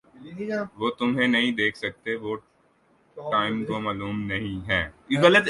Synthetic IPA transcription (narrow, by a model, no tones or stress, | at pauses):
ʋoːt̪ʊmɦẽnɐɦĩd̪eːkʰsɐk̚t̪eʋo | ʈaːɪmkomaːluːmnɐɦĩɦɛːɡɐlət̪